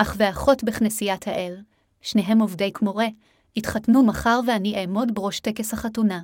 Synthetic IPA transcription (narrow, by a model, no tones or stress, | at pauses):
ʔaχveaχo̞tbeχnesijathaʔel | ʃneɦe̞movde̞jkmo̞ʁe̞ | itχatnumaχaʁveaniʔeːmo̞dbeʁo̞ʃtekeshaχatuna